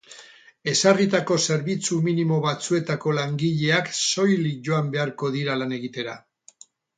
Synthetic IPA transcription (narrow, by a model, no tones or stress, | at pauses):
e̞sarit̪ako̞se̞ɾβit͡suminimo̞βat͡sue̞t̪ako̞laŋɡiʎe̞akso̞jlikʝoambe̞aɾko̞ðiɾalane̞ɣit̪e̞ɾa